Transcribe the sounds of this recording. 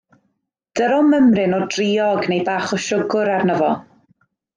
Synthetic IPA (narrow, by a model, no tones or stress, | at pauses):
d̥əɾɔməmrɪnɔdriːɔɡnejbaːχɔʃʊɡʊɾarnəvɔ